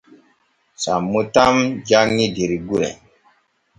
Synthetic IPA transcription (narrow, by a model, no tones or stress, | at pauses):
samːutamd͡ʒaŋːidiɾiɡuɾɛ̰